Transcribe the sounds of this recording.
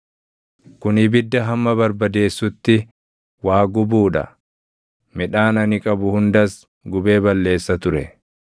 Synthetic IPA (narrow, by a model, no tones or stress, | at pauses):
kʊnɪbɪd̪ːɐɦɐmːɐbɐɾbɐd̪e̞ːsːʊt̪ːɪ | waːɡʊbuːᶑɐ̰ | mɪᶑaːnɐnɪkʼɐbʊhʊnd̪ɐs | ɡʊbe̞ːbɐlːe̞ːsːɐt̪ʊɾɛ